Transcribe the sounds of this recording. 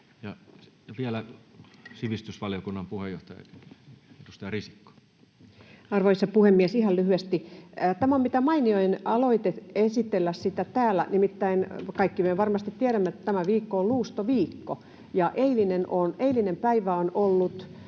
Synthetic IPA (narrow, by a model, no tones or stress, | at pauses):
jɑjɑʋiælæ | siʋist̪ysʋɑlijokunːɑmpuhejo̰ht̪ɑjɑ̰ | ed̥̪ust̪ɑjrisi̥kːo̥ | ɑrʋoisɑpuhemːiesihɑlyhyest̪it̪æmæommit̪æmɑinioinʔɑloit̪eesit̪elːæssit̪æt̪æːlːæ̰nimit̪ːæinkɑikːiʋøʋɑrmɑst̪it̪t̪iæɾæmːæet̪ːæt̪æmæʋiːkːoolluːst̪oʋiːkːo | jɑʔeilinenoneilinempæiʋæonolːut̪